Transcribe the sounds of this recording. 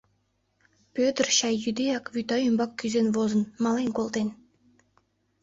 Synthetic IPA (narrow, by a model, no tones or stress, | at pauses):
pʲøt̪rɕɑjːyd̪ʲejɑkvʲyt̪ɑjymbɑkkʲːyzʲenvozə̆nmɑlˠenkolˠd̪en